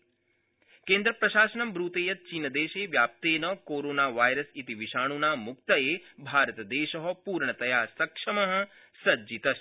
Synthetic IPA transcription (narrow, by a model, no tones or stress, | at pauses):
keːnd̪ɾɐpɾɐʃaːsɐɳɐmbɾuːt̪eːjɐt̪̚t͡ʃiːnɐd̪eːʃeːʋjaːp̚t̪eːnɐkoːɾoːnaːʋaːjɾɐsit̪iʋiʃaːɳ̃unaːmuk̚t̪ɐeːbʱaːɾɐt̪ɐd̪eːʃɐɦɐpuːɾɳɐt̪ɐjaːsɐkʂɐmɐɦɐ̆ | sɐd͡ʒit̪ɐʃ